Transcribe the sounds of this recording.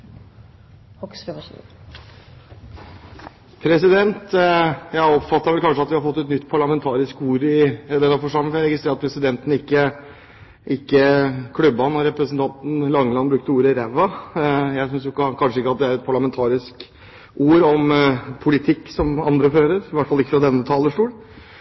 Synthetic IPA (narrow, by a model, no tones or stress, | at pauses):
hɔksɛ | pʰɾɛsɪd̪ɛnt̪jæɪɔpfɑt̪ːɑɾʋɛlkɑnʂəɑt̪ʋɪhɑɾfɔt̪ːʉt̪nʏt̪ːpʰɑɭɑmɛnt̪ʰɑːɾɪskuːɾɪd̪ɛnːɑfɔʂɑmːəfɔɾjæɾɛɡɪst̪ɾeːɾɑt̪pʰɾɛsɪd̪ɛnt̪ən̩ɪkːə | ʔɪkːəkʰlʉbːɑnɔɾɛpɾəsn̩t̪ʰɑnt̪n̩lɑŋːəlɑnbɾʉkt̪əuːɾəɪɾæʋɑjæɪsʏns̬jʊkɑkʰɑnʂəɪkːəɑt̪̚d̪ɛæɾɛt̪̚pʰɑɭɑmɛnt̪ʰɑːɾɪsk | uːɾɔmpʰʊlɪt̪ʰɪkːsɔmɑnd̪ɾəføːɾəɾɪʋæʈːfɑlɪkːəfɾɑd̪ɛnːət̪ʰɑːləʂʈuːl